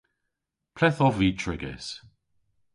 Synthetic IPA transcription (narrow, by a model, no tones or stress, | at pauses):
pʰlɛθɔviːtʰɹɪɡɛ̰s